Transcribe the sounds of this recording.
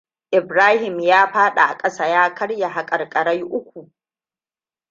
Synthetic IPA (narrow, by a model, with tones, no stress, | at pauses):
ʔɪ˨bɾaː˦hɪ˨mjaː˦ɸaː˦ɗa˨ʔa˨kʼɐ˦saː˦jaː˦kɐ˦ɽja˨ɦa˨kʼɐ˨rkʼɐ˨ɽa˦jʔʊ˦kʷu˨ʔ